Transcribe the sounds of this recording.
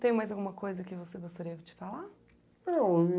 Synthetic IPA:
t̪ẽj̃majzawɡũmɐkojzɐkɪvoseɡost̪aɾiɐt͡ʃɪ̥fala | nɐ̃

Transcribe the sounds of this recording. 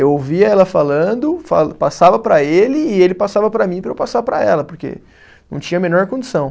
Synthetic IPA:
ewowviɐɛlɐfalɐ̃d̪ʊfa̰lpasavɐpɾɐelɪːelɪpasavɐpɾɐmĩpɾɐewpasapɾɐ̰ɛlɐpoɾkḛ | nɐ̰̃w̃t͡ʃĩɲɐmenɔɾkõd͡ʒisɐ̃w̃

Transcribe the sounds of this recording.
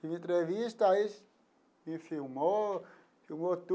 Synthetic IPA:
ĩmẽnt̪ɾevist̪ɐis | mifiwmo | fiwmot̪u

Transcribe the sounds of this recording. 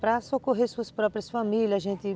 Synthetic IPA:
pɾɐsokoɦeɾsuɐspɾɔpɾijɐsfamilʲɐzʒẽnt̪ɪ

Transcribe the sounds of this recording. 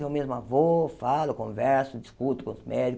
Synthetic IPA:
ewmezmʊavofalʊkõvɛɾsʊd͡ʒiskut̪ʊ̥kõʊzmɛd͡ʒi

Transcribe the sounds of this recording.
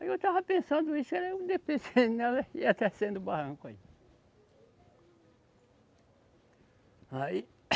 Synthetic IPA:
aiewt̪avɐpẽsɐ̃nd̪ʊisʊɛɾɐũd̪epesẽnɛlɐiat̪ɛsẽnd̪ʊbahɐ̃kʊai | ai

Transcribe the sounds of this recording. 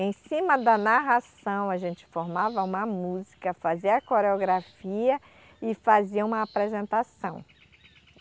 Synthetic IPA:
ẽj̃sĩmɐd̪ɐnaɦasɐ̃w̃aʒẽnt͡ʃɪ̥foɾmavɐũmɐmuzikɐfaziɐakoɾeoɡɾafiɐ | ɪfaziɐũmɐːpɾezẽnt̪asɐ̃w̃

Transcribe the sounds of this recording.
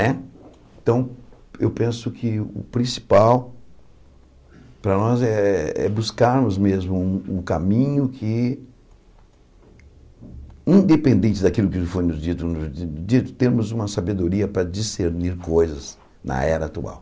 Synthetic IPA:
nɛ | ẽt̪ɐ̃w̃ | ewpẽsʊkʰɪʊ̰pɾĩsi̥paw | pɾɐnɔzɛɛ̰buskaɾmʊzmezmʊũʊkamĩɲʊkʰɪ | ĩnd̪epẽnd̪ẽnt͡ʃɪd̪akilʊkɪfojnʊzd͡ʒit̪ʊnʊd͡ʒit̪ʊ̥t̪eɾmʊzũmɐsabed̪oɾiɐpɾɐd͡ʒiseɾniɾkojzɐz | nɐ̰ɛɾɐat̪ua̰w

